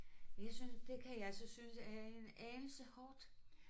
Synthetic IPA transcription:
jɑ̈ɪsynsd̥e̝kʰæjɑælsɒsynsæɐe̝nɛːll̩səhɒːd̥

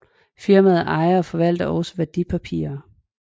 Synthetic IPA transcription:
fiɐmæð̩ˠɑ̈ɪɐɒ̽fɒ̽ʋæl̰d̥ɐʔɒ̽səʋæɐd̥ipʰæpʰḭːɐ

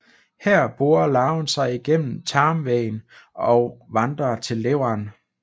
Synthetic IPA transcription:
hæɐ̰b̥o̝ːɐlɑ̈ʊnsɑ̈ɪiɡ̥en̰m̩t͡sʰɑ̈ːmʋɛɪnɒ̽ʊʋɑ̈nd̥ʁɐt͡sʰe̝lːeʊ̰ɑn

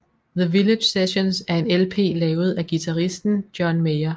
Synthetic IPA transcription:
ðəʋiled̥jseɕonsæɐe̝nelpʰe̝̰ːlɛːʊð̞̩ˠæɡ̥it͡sʰæʁisd̥n̩d̥jɒnmeɪɐ

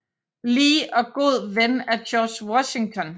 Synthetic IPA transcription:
liːʔɒ̽ɡ̥o̝ð̞̰ˠʋenæɐɕʰɒ̥ːswɒɕe̝ŋt͡sʰɒ̽n

